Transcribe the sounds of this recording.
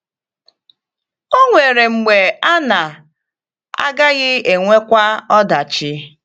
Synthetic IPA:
o˦ŋʷe˨ɾe˨ŋ͡m̩˨ɡ͡be˨a˦na˨ | a̰˦ɡa˦ɣɪ˦e˨ŋʷe˦kʷa˦ɔ˦da˨t͡ʃɪ˦

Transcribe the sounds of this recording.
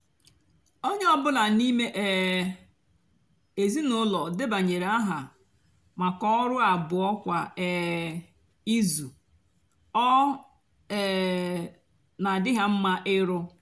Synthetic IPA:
o˦ɲ˦ɔ˦bʊ˦la˨ni˦me˦ʔɛ˨ | e˨zi˦nʊ˦lɔ˨dɪ˦ba˨ɲe˨ɾe˨a˦ɦa˨ | ma˨kɔ˦ɾʊ˦a˨bʊ˨ɔ˦kʷa˨ɛ˨ | i˦zu˨ | ɔ˦ | ɛ˨ | na˨dɪ˦ɦa˦m̩˦ma˦ʔɪ˦ɾʊ˦

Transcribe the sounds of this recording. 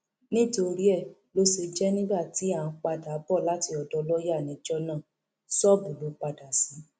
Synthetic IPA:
nĩ˦to˧ɾi˦ɛ˦˨ | lo˦se˧d͡ʒɛ˦nĩ˦ba˦˨ti˨˦a˦˨ã˨˧k͡pa˧da˨˦bɔ˦˨la˦ti˧ɔ˧˨dɔ˨˧lɔ˦ja˦˨nĩ˨˦d͡ʒɔ˦nãː˦˨ | sɔ˦˨bu˨lo˨˦k͡pa˧da˨sĩ˨˦

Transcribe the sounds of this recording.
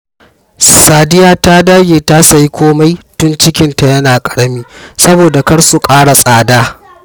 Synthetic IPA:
saː˨dɪ˦jaː˦ta˦daː˦ɡʲeː˨ta˦sa˨ji˦kʷoː˦ma˦jtʊ˦nt͡ʃɪ˦kʲɪ˦nta˨jɐ˦naː˨kʼɐ̥˨ɽɐ˦miː˦sɐ˦boː˨da˨kɐ˦ɽsu˨kʼaː˦ɽa˨sʼaː˨daː˦

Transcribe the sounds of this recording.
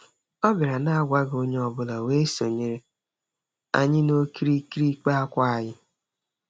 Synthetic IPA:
ɔ˦bɪ˨ɾa˨na˦a˦ɡʷa˦ɡo˦ɲe˦ɔ˨bʊ˦la˨we˦so˨ɲe˦ɾe˦ | a̰˨ɲɪ˦no˦ki˦ɾi˦ki˦ɾi˦k͡pa˦a˦kʷa˦a˨ɲɪ˦

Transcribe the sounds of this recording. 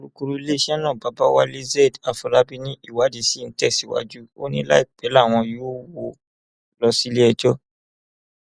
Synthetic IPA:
kɾu˦ku˧ɾu˦i˦le˦ʃɛ˦nã˦˨ba˨˦ba˦wa̰˦le˦zɛ˦˨da˨fu˨ɾa˦bi˧nĩ˦i˦˨wa˨˦di˧˦si˦˨n̩˦tɛ˦˨si˨˦wa̰˦d͡ʒu˦o˦nĩ˦la̰˦i˦˨k͡pɛ˨˦la˦˨w̃ɔ̃˧jo˦wo˧˦ | lɔ˧si˦le˦ɛ˧d͡ʒɔ˦

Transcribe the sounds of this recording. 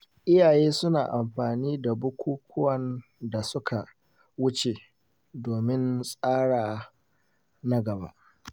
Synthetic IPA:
ʔɪ˦jaː˨jeː˦sʊ˦na̰ː˨ʔa˨mɸaː˨niː˦da˨bʊ˦kʷuː˦kʷʰʊ˦wɐ˨n | da˨sʊ˦kʰa˨ | wʊ˦t͡ʃe˨ | doː˨mɪ˦nsʼaː˦ɽaː˨ | nɐ˦ɡɐ˨ba̰ː˦ʔ

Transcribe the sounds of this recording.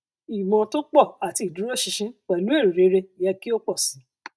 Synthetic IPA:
i˨mɔ̃˨to˦k͡pɔ˦˨a˨ti˧˨i˨dũ˨˦ɾo˦˨ʃĩ˧ʃĩ˦k͡pɛ˨lu˨˦e˦˨ɾi˨ɾe˨˦ɾe˧˨jɛ˧ki˦o˦k͡pɔ˦˨sĩ˨˦

